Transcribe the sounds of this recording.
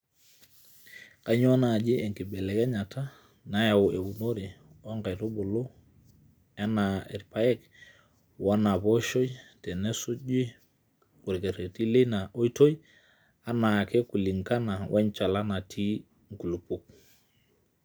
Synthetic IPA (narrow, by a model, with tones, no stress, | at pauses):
ka˨ɲo˦na˨d͡ʒi˦ʔe˨ŋki˨bɛ˨le˨kɛ˦ɲa˨tʰa˦ | na˨ja˨o˨ʔe˨wu˨no˦ɾi˨ | o˦ŋka˨jto˦bo˨lo˦ | ɛ˦na˨ḛ˨ɾpa˨ɛ˦k | wa˦na˨bo˦ʃo˦jtɛ˨ne˦su˦d͡ʒi˦ | ku˨ɾke˨ɾe˨ti˦le˦na˨ʔo˦jto˦j | a˦na˨ke˦ku˨li˨ŋka˦na˨wʔa˦ɲt͡ʃa˨la˦na˨tʰi˦ | ŋ˦ku˨lu˨pu˦k̚